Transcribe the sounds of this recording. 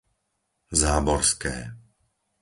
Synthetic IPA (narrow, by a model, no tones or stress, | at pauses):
zaːbɔɾskɛ̰ː